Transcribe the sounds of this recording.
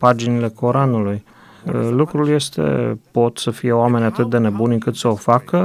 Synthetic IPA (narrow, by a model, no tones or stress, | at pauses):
pad͡ʒinile̞kʰo̞ɾanuluj | lukɾulje̞st̪e̞̰po̞t̪səfije̞oame̞nʲat̪ɨt̪̚d̪e̞ne̞bunʲɨŋkɨt̪səofakə